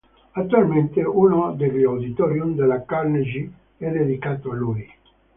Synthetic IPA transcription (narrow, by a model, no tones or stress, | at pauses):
at̪ːualment̪eunod̪eriawd̪it̪ɔɾjumd̪elakarned͡ʒi | ɛd̪ed̪ikaːt̪oalui